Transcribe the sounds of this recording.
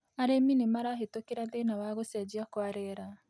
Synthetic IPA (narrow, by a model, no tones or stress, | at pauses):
aɾeminemaɾaɦetokeɾaðenawaɣosad͡ʒiakwaɾɛɾa